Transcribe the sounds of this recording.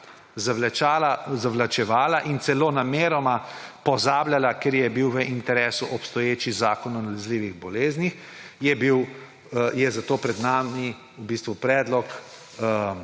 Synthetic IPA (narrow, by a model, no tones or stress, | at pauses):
zalalazaʋlat͡ʃɛʋaːlaʔint̪sɛlonameːɾɔmapɔzaːblʲjalakeɾjɛbiwʋəʔint̪ɛɾeːsuʔɔpst̪ɔjeːt͡ʃizaːkɔnɔnalazliːʋiɣbɔleːznix | jɛbiw | jɛzat̪oːpɾɛd̪naːmi | ubist̪ʋupɾɛːd̪lɔk